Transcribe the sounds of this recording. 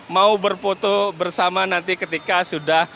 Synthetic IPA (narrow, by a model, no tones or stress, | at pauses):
maubərpot̪obərsamanant̪ikət̪ikasudah